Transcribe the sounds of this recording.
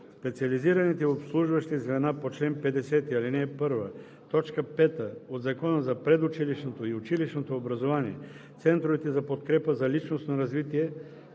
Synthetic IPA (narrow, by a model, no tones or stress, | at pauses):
spɛt̪siɐliziɾɐnit̪ɛopslˠuʒvəʃt̪izvɛnapot͡ʃlɛnpɛd̪ɛsɛt̪iɐlinɛːpɤɾvə | t̪ɔt͡ʃkəpɛt̪əod̪zɐkɔnəzɐpɾɛd̪ʊt͡ʃiliʃnot̪oiʊt͡ʃiliʃnot̪oːbɾɐzovaniɛ | t̪sɛnt̪ɾovit̪ɛzɐpot̪kɾɛpəzɐlit͡ʃnost̪noɾɐzvit̪iɛ